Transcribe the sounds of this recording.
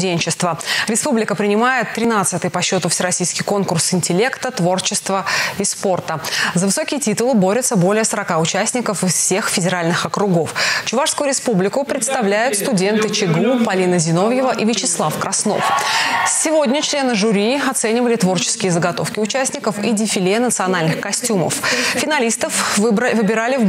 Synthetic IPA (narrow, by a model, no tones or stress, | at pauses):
dʲenʲt͡ɕɪst̪vəɾʲɪspublʲɪkəpɾʲɪnʲɪmajɪt̪ːɾʲɪnat̪sɨt̪ɨjpɐɕːo̞t̪ʊfsʲɪɾɐsʲijskʲɪjko̞nkʊrsɪnʲtʲɪlʲe̞kt̪ət̪vo̞rt͡ɕɪst̪vəispo̞rt̪əzəvɨso̞kʲɪjətʲit̪ʊlˠɨbo̞ɾʲɪt̪səbo̞lʲɪjəsəɾɐkaʊt͡ɕæsʲnʲɪkəfɨsfsʲe̞xfʲɪdʲɪɾalʲnɨxɐkɾʊɡo̞ft͡ɕʊvaʂskʊjʊɾʲɪspublʲɪkʊpɾʲɪt̪st̪ɐvlʲæjʊt̪st̪ʊdʲe̞nt̪ɨt͡ɕɪɡupɐlʲinəzʲɪno̞vjɪvəʔivʲɪt͡ɕɪslˠafkɾʔɐsno̰fsʲɪvo̞dʲnʲət͡ɕlʲenɨʐʊɾʲiɐt̪sɛnʲɪvəlʲɪt̪vo̞rt͡ɕɪ̥skʲɪjəzəɡɐt̪o̞̰fkʲɪʊt͡ɕæsʲnʲɪkəfidʲɪfʲɪlʲenət̪sɨɐnalʲnɨxkɐsʲtʲumə̰ffʲɪnalʲist̪əfbvɨbʲɪɾalʲɪ